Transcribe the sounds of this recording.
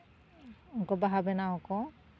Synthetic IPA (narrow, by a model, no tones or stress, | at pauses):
unkɔbaɦabɛnaɔkɔ